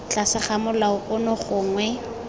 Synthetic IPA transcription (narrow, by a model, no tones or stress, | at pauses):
t͡ɬasɪχamʊlaʊkʼʊnʊχʊːŋwɛ